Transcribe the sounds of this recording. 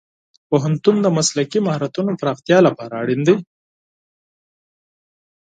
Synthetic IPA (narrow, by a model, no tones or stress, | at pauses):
poɦant̪und̪əmaslakimahɾat̪unopɾɑxt̪jɑlapɑɾaːɽind̪i